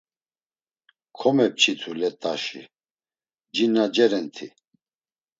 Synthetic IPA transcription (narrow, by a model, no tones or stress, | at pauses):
kʰɔmɛp̚t͡ʃʰit̪ʰulɛt̪ʼaʃḭ | d͡ʒinad͡ʒɛɾɛnt̪ʰi